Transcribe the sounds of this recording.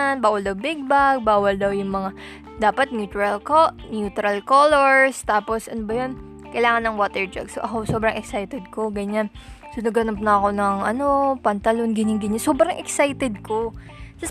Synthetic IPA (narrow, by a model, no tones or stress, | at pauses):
nbaːwɐld̪ɐwbɪɡ̚baɡ̚baːwɐld̪ɐwjʊŋmɐŋa | d̪aːpɐt̪̚njuːt̪ɾɐlkoʔ | njuːt̪ɾɐlkoloɹst̪aːposʔɐnobɐjon | kɐjlaːŋɐnːɐŋwoːt̪ɛɹd͡ʒɐ̰ɡsoʔɐkoso̞ːbɾɐŋʔɛksajt̪ɛd̪̚ko̞ɡɐɲansʊnʊɡɐnɐp̚nɐɐko̞nɐŋɐno̞pɐnt̪ɐlonɡɪnɪŋɡɪɲosobɾɐŋʔɛksajt̪ɛd̪̚ko̞ | sɐ